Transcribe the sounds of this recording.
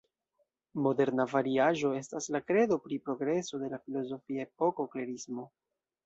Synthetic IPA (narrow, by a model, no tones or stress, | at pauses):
mo̞de̞ɾnavaɾiaʒo̞e̞staslakɾe̞do̞pɾipɾo̞ɡɾe̞so̞de̞lafilo̞zo̞fiaep̚o̞ko̞kleɾismo̞